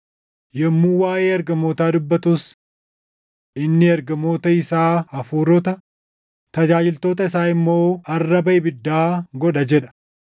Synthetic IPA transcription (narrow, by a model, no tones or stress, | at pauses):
jɛmːuːwaːʔeːɐɾɡɐmːoːt̪aːd̪ʊbːɐt̪us | ʔɪnːɪɐɾɡɐmo̞ːt̪ɐɪsaːɐfuːɾɔt̪ɐ | t̪ɐd͡ʒaːd͡ʒɪlt̪o̞ːt̪ɐɪsaːɪmːo̞ːɐrːɐbɐɪbɪd̪ːaːɡɔᶑɐd͡ʒɛᶑɐ̥